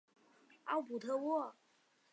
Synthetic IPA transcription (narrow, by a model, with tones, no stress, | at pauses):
ɑ̰˥˩ʊpu˨˩t̪ʰɤ˥˧wɔ˥˩